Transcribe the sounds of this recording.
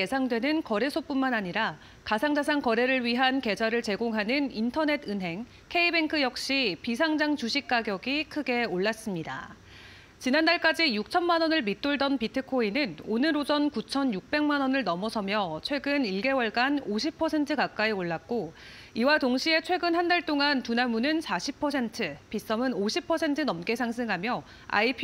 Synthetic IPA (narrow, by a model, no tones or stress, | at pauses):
je̞sʰaŋdwenɯnkʌɾe̞sʰop͈unmanaɲiɾa | kasʰaŋd͡ʑas̬ʰaŋkʌɾe̞ɾɯɭɥiɦanke̞d͡ʑaɾɯɭt͡ɕe̞ɡoŋɦanɯnintʰʌne̞tʰɯnɦe̞ŋ | kʰe̞ibe̞ŋkʰɯjʌk̚ɕ͈ipis̬ʰaŋd͡ʑaŋt͡ɕuɕʰik̚k͈aɡjʌɡikʰɯɡe̞oɭːas͈ɯmɲida̰ | t͡ɕinandaɭk͈ad͡ʑijuk̚t͡ɕʰʌnmanʌnɯɭmit͈oɭdʌnpitʰɯkʰoinɯnonɯɾod͡ʑʌnkut͡ɕʰʌnjuk̚p͈e̞ŋmanʌnɯɭnʌmʌsʰʌmjʌt͡ɕʰwe̞ɡɯniɭɡe̞wʌɭɡanoɕʰipʰʌsʰe̞ntʰɯkak͈aioɭːak̚k͈o | iwatoŋɕʰie̞t͡ɕʰwe̞ɡɯnɦandaɭt͈oŋantunamunɯnsʰaɕʰipʰʌs̬ʰe̞ntʰɯpis͈ʌmɯnoɕʰipʰʌsʰe̞ntʰɯnʌmk͈e̞sʰaŋs̬ʰɯŋɦamjʌ | a̰ipʰ